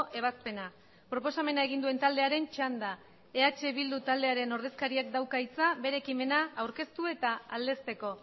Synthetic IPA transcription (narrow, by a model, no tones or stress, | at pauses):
ʔe̞β̞aspe̞na | pɾo̞po̞same̞nae̞ɣind̪ue̞nt̪ald̪e̞aɾe̞nt͡ʃand̪a | eat͡ʃe̞β̞ild̪ut̪ald̪e̞aɾe̞no̞ɾðe̞skaɾiak̚d̪awkait͡saβe̞ɾe̞ːkime̞naːwɾke̞st̪ue̞t̪aald̪e̞st̪e̞ko̞